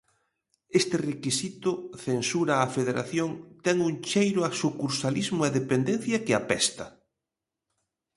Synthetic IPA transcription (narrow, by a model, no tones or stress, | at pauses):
est̪ɪrekisit̪ʊθensuɾaːfeðeɾa̰θjoŋt̪ɛŋuŋt͡ʃejɾʊasukuɾsalizmʊeðepend̪en̟θjɐkɪapɛst̪ɐ